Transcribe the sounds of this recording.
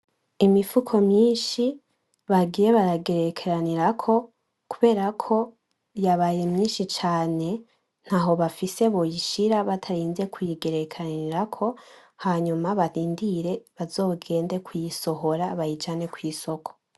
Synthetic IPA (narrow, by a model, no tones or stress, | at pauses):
imifukʰo̞mɲiːnʃi | βaɡiːje̞βaɾaɡe̞ɾe̞kʰeɾaniɾakʰo̞ | kuβe̞ːɾakʰo̞ | jaβaːjemɲiːnʃit͡ʃaːne̞ | n̥haɦo̞βafise̞βojiʃiɾaβatʰaɾiːnze̞kʰwujiɡe̞ɾe̞kʰeaniɾakʰo̞haɲumaβaɾiːndiɾe̞βazo̞ːɡe̞ːnde̞kwijiso̞ɦo̞ɾaβajit͡ʃaːne̞kwiːso̞kʰo̥